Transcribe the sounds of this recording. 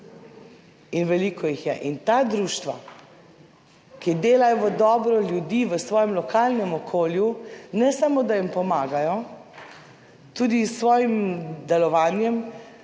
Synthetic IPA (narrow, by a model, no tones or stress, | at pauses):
inʋɛlikʰɔjixjɛʔint̪aːd̪ɾuːʃt̪ʋa̰ | kid̪eːlajɔʋəd̪ɔːbɾɔljud̪iːʋəsʋɔːjɛmlɔkʰaːlnɛmɔkʰoːljunɛsamod̪ajimpɔmaːɡajɔ | t̪uːd̪isʋɔːjimd̪ɛlɔʋaːnjɛm